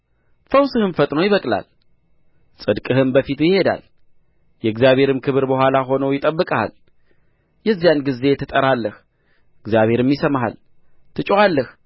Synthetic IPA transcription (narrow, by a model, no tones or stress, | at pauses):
fəwsɨhɨnfət̪ʼnəwjɪβəkʼla̰l | sʼɨd̪kʼɨhɨmbəfit̪jɪhe̞d̪a̰l | jɛɨɡzjaβhe̞ɾɨmkʰɨβɨɾbəhʷwʷalaɦo̞nowjɪt̪ʼəbːɨkʼaa̰l | jɛzːjanɡize̞t̪ʰɨt̪ʼəɾalːəh | ɨɡzijaβhe̞ɾɨmjɪsəmɦa̰l | t̪ʰɨt͡ʃʼoalːəh